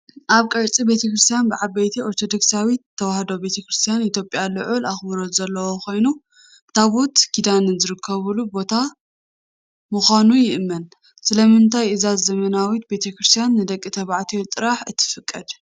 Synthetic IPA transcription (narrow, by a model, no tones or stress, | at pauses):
ʔaβkʼɐɾt͡sʼibe̞t̪ʰɐkɾɨst̪ʰijanbɨʕabɐjt̪ʰioɾt̪ʰo̞d̪o̞ksawit̪ʰːɐwahd̪obe̞t̪ʰɐkɾɨst̪ʰijanit̪ʰjo̞pʼjalɨʕulaxbɨɾot̪zɐlːɐwokʰo̞jnu | t̪ʰaβot̪kʰid̪anɨzɨɾɨkʰːɐβɨlubo̞t̪ʰa | mɨxanujɪʔɨmːɐn | sɨlɐmɨnt̪ʰajʔɨzazzɐmɐnawit̪̚be̞t̪ʰɐkɾɨst̪ʰijanːɨd̪ɐkʼːit̪ʰɐβaʕt̪ʰiot̪ʼɨɾaħɨt̪ʰːɨ̥fɨkʼːɐd̪